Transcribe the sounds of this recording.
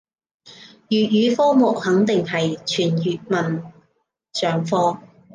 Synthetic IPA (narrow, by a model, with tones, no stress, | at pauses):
jyː˨t̚jyː˨˧fɔː˥mʊ˨k̚hɐ˨˥ŋt̪ɪ˨ŋhɐ˨jt͡ʃʰyː˨˩njyː˨t̚mɐ˨n | sœː˨˩ŋfɔː˥